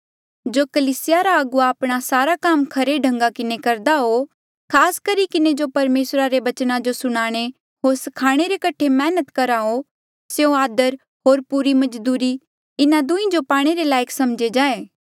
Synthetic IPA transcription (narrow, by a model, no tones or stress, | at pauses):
d͡ʒoːkɐliːsɪjaɾaɐɡʊaːpɽ̃asaːɾakaːmkʰɐɾeɖʱɐ̃ŋɡakɪnekɐɾd̪aɦo | kʰaːskɐɾikɪned͡ʒopɐɾmeːsɾaɾeʋɐt͡ʃnãd͡ʒosʊɽ̃aːɽ̃e | ɦoːɾsɐkʰaːɽ̃eɾekɐʈʰemɛːnət̪kɐɾaɦo | seõaːd̪əɾ | ɦoːɾpuɾimɐd͡ʒd̪uːɾi | ɪnãd̪ʊ̃ĩd͡ʒopaːɽ̃eɾelaːjəkʰsɐmd͡ʒed͡ʒaːeː